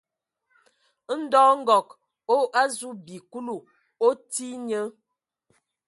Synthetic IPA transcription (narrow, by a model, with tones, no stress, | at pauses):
n̩˦dɔː˦ŋ̩˦ɡɔ˨k | o˦ʔa˦zu˦bi˨ku˦lu˨ | o˦ti˦ɲə˦